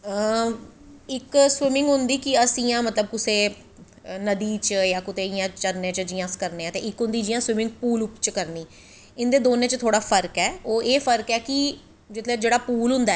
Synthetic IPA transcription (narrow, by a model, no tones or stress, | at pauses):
ɪkswɪmɪ̃ŋɡɦʊnd̪iːkɪəsĩːãːmət̪ləb̚kʊseː | nəd̪iːt͡ʃjãːkʊt̪eːɪjãːt͡ʃəɾnẽːt͡ʃəd͡ʒɪjãːskəɾneːãːt̪eːɪkɦʊ̃nd̪iːd͡ʒɪjãːswɪmɪ̃ŋɡ̚puːlʊpt͡ʃkəɾniː | ɪnd̪eːd̪oːnẽːt͡ʃt̪ʰoːɽaːpʰəɾkɛːoːʔeːpʰəɾkɛːkɪ | d͡ʒɪt̪ʰleːd͡ʒeːɽaːpuːlɦʊ̃nd̪aː